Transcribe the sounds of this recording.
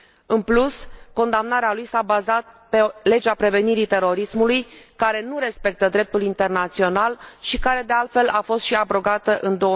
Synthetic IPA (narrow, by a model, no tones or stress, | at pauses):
ɨnplusko̞nd̪amnaɾealujsabazat̪̚pe̞le̞d͡ʒapɾe̞ve̞niɾit̪e̞ɾo̞ɾismulujkaɾe̞nuɾe̞spe̞k̚t̪əd̪ɾe̞p̚t̪ulint̪e̞rnat̪sio̞nalʃikaɾe̞d̪e̞alt̪fe̞lʔafo̞st̪ʃiabɾo̞ɡat̪əʔɨnd̪o̞ə